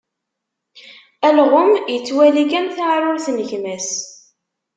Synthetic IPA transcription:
ælʁʊmjət͡sːwæliɡænθaʕɾˤʊɾθnəçmæs

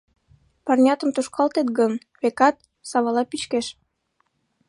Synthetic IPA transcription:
pɑrnʲɑt̪əmt̪uʃkɑlt̪et̪ɡən | βekɑt̪̚ | sɑβɑlɑpit͡ɕkeʃ

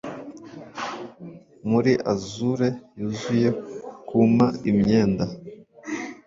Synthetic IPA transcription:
muɾiʔazuɾe̞juzuje̞kumaimɲe̞ːnda

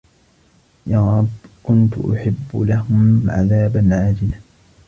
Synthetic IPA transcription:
jaːɾˤɑbkʊnt̪ʊ̰ʔʊ̰ħɪbːʊlaɦʊmʕa̰ðaːbanʕaːd͡ʒɪla

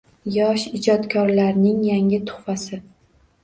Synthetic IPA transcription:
jɒʃɪd͡ʒɒt̪kʰɒɾlaɾnɪŋjaŋɪt̪ʰʊ̥χfasɪ

